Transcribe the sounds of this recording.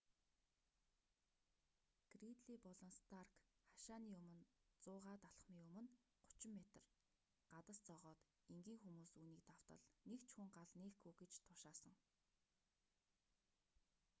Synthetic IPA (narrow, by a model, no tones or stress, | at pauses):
ɡ̥rit̪ɮiːpɔɮɞ̆nst̪ʰarkχaʃaːniːɵmɵ̆nt͡sʊːʁaːt̪aɬχmiːɵmɵ̆n | ɢʊ̥t͡ɕɪ̆mːet̪ə̆r | ɢ̥at̪ə̆st͡sɔʁɔːt̪ | eŋɡiːŋxumuːsuːniːk̚t̪aw̥t̪ə̰̆ɮnekt͡ɕxuŋɢaɮneːxɡuːɡet͡ɕt̪ʰʊʃaːsə̆ŋ